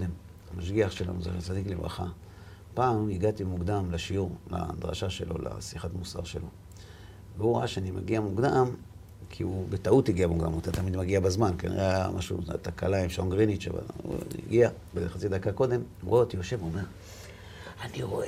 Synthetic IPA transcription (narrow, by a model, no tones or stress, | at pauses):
em | amaʃɡiaχʃela̰nuzḛt͡sad̪iklevʁa̰χa | paːmiɡat̪imuɡd̪amlaʃiuʁla̰d̪ʁa̰ʃaʃe̞̰lo̞̰la̰siχatmusa̰ʁʃe̞̰lo̞̰ | veuʁoʔaʃeanimaɡiamuɡd̪am | kʰiubetautiɡiabmuɡd̪amot̪at̪amid̪maɡiabazmankanḛʁeajamʔa̰ʃṵa̰t̪akalaimʃoŋɡʁinit͡ʃa̰va̰lṵḭɡiabeχat͡sid̪akako̞d̪e̞muʁot̪ijoʃe̞vuome̞ʁ | aniʁoʔe